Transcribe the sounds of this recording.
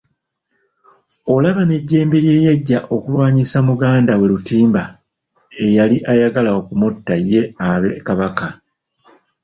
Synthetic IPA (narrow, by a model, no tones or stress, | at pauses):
o̞laβane̞ɟːeːmbiɾje̞ːjeɟːaʔo̞kulwaːɲisamuɡaːndawe̞ɾutiːmba | e̞jaliʔajaɡalaokumutːajːe̞aβekaβaka